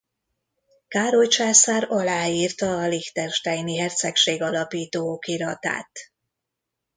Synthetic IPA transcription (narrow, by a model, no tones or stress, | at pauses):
kaːɾo̞lt͡ʃaːsaːɾɒlaːiːrt̪ɒːlixt̪ɛrʃt̪ɛjniɦɛrt̪sɛkʃeːɡɒlɒpiːt̪oːkiɾɒt̪a̰ːt̪